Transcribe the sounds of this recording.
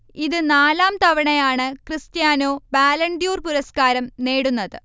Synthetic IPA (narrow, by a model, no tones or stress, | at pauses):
iðɨnaːlaːmt̪ɐʋɐɳɐjaːɳɨkrɨst̪jaːno̞ːbaːlɐɳɖijuːrpuɾɐskaːɾɐmne̞ːɽunːɐðɨ